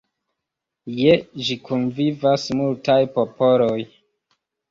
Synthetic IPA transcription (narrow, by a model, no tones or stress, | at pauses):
jed͡ʒikunvivasmultajpo̞poloj